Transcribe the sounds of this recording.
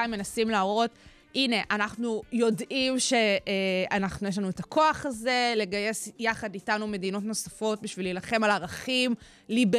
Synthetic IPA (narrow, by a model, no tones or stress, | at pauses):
imːe̞nasimlaːʁo̞t | ine̞ʔanaχnujo̞dʔimʃe̞anaχnujelanue̞takʰo̞aχaze̞le̞ɡaje̞sjaχaditanume̞dino̞tno̞safo̞t̚biʃvililaχe̞malaʁaχim | libe